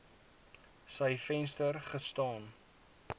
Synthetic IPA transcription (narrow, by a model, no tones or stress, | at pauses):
səjfɛnstərχəstɑːn